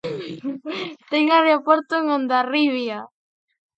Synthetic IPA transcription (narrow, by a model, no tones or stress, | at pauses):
t̪eŋaɾeopoɾt̪oeŋõnd̪ariβja